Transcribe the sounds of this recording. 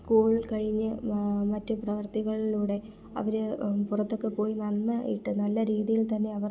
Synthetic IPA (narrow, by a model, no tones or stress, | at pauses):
skuːɭilkɐɻiɲːɨmɐtːuprɐʋɐrt̪iɣɐɭiluːɽe̞ | ɐ̰ʋɐɾepurɐt̪ːo̞kːe̞po̞ːjinɐnːɐʔḭʈːɨnɐlːɐɾiːðijilt̪ɐnːe̞ɐʋɐr